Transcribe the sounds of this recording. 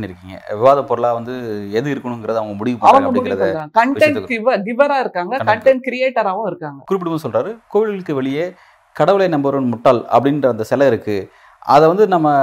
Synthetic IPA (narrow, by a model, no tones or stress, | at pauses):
nːiɪɾɯkːiːŋɡɐ̰ʋɪʋaːðɐpːɔɾɯɭaːʋɐnd̪ɯɛðɯɪɾɯkːɐɳʊŋɡɪɾɐðɯɐʋɐŋɡɐmʊɽɪʋɪpːɐʋɐŋɐɡɐmʊɽkɪɐðãːkɐɳʈɐnɐkɪʋɐɡɪʋɐɾaːɪɾɯkːaːŋɡɐɐkɐɳʈɐɳʈkɪɾɪjeːʈːɐɾaːʋɐ̃ɪɾɯkːaːŋɡɐkʊɾɪp̬ːɪɽɯmɯnːsɔlraːɾɯkoːʋɪlɪlɯkːɯʋɛɭɪjeː | kɐɽɐʋɯɭenɐmbɐɾɯnmʊʈːaːlɐpːɐɽɪndrɐɐnd̪ɐsɛlɐɪɾɯkːɯ | ʔɐ̰ðɛʋɐnd̪ɯnɐmːɐ